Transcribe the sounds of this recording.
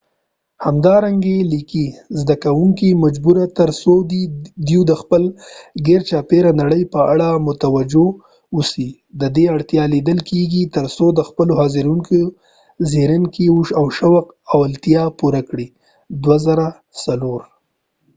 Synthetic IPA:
hamd̪ɑɾaŋɡelikizd̪akawuŋkimad͡ʒbuɾat̪əɾsod̪id̪ud̪əxpəlɡeɾt͡ʃɑpeɾanaɽəjpəaɽamʊt̪awad͡ʒo | usi | d̪əd̪eaɽt̪jɑlid̪əlkʰeɡit̪əɾsod̪əxpəlohɑziɾuŋko | zeɾəŋkiʃawʃawaq | awalt̪jɑpuɾakɽi | d̪wazaɾa | saloɾ

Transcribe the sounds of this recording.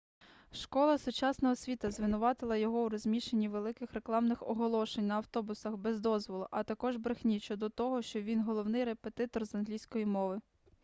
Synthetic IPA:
ʃkɔlˠɐsʊt͡ʃɑsnɔɦɔsʲʋʲit̪ɐzʋɪnʊʋɑt̪ɪlˠɐjɔɦɔwɾɔzʲmʲiʃenʲːiʋe̞lˠɪkɪxre̞klˠɑmnɪxɔɦɔlˠɔʃenʲnɐɐwt̪ɔbʊsɐxbɛzd̪ɔzʋɔlˠʊʔɐt̪ɐkɔʒbɾɪxnʲit͡ʃɔd̪ɔt̪ɔɦɔʃt͡ʃɔʋʲinɦɔlˠɔwnɪjre̞pet̪ɪt̪ɔrzɐnɦlʲijsʲkɔjimɔʋɪ

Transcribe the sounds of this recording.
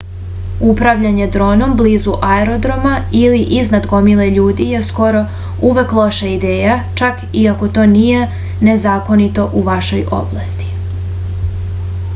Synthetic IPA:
upɾaʋʎaɲe̞d̪ɾo̞ːno̞mbliːzuʔaeɾo̞d̪ɾo̞mailiʔiznad̪ɡo̞mileʎuːd̪ije̞sko̞ɾo̞ | uʋeklˠo̞ʃaid̪e̞ːjat͡ʃak | iako̞t̪o̞ːnije | ne̞zaːko̞nit̪o̞ʔuʋaʃo̞jo̞̰blˠast̪i̥

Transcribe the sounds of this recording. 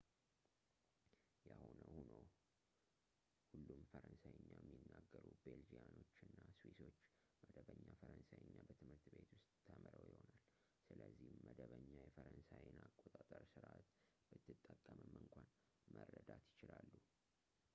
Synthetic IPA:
jahonəhuno | hulːumfəɾənsajɲːajɛmːjɪnːaɡːəɾube̞ld͡ʒijano̞t͡ʃːɨnːaswiso̞t͡ʃː | məd̪əβəɲːafəɾənsajɨɲːabət̪ʰɨmhɨɾt̪be̞t̪wʊst̪ʼʰːəməɾəwjɪho̞nal | sɨləzːihməd̪əβəɲːajɛfəɾənsajinakʼot̪ʼat̪ʼəɾsɨɾʔat̪ | b̥ɨt̪ːɨt̪ʼːəkʼːəməmɨŋkʷʰan | məɾːəd̪at̪jɪt͡ʃɪlalːu

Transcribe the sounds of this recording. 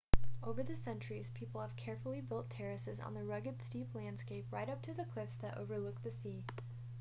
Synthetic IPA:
ʔoʊvə˞ðɨsɛ̃nt͡ʃə˞iz̥pʰipl̩ˠəv̥kʰɛɹfl̩ˠibɪlˠtʰɛɹɨsɨzn̩ðɨɹʌɡɨd̥stiplæ̃nd̥skeɪp̚ɹaɪɾʌp̚tʰɨðɨkʰl̥ɪfsðəɾʔo̰ʊvə˞lʊk̚ðɨsi

